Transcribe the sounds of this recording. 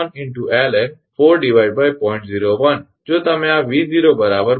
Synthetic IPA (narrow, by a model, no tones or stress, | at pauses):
nɪ̃ɳʈuʔɛlɛ | foːɾɖiʋaɪɖbaːjpɔːɪ̃ɳʈziːɾoʋɐn | d͡ʒoːt̪ɐmẽaʋiːd͡ziɾobɐɾabəɾ